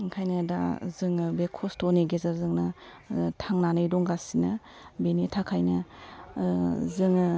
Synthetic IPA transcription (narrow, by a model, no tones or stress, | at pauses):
ŋkʰajnɐda̰zɯŋbekʰɔstɔniɡezaɾzɯŋnɐ | tʰaŋnanɯjdɔŋɡasinɐ | benitʰakʰajnɐ | zɯŋ